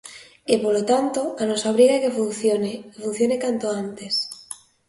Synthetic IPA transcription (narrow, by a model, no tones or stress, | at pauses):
epolot̪ant̪oanosaoβ̞ɾiɣakefunθjonefun̟θjonekant̪oant̪es